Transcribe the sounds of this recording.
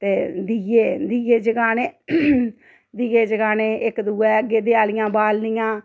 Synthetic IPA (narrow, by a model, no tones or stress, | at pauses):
t̪eːd̪ieːd̪iːeːd͡ʒəɡaːneː | d̪iːeːd͡ʒəɡaːneːɪkd̪uːɛːəɡeːd̪ɪaːlɪjãːbaːlnijãː